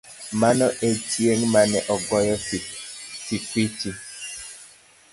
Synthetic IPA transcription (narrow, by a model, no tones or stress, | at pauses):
manɔʔet͡ʃjeŋmanɛʔɔɡɔjɔsipit͡ʃi